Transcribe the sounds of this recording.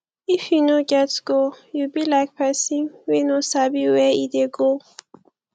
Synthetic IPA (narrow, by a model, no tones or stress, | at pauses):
ifjunoɡɛtsɡ̥ojubilaɪk̚pʰɛsĩŋwinosabiwɛid̪eɡo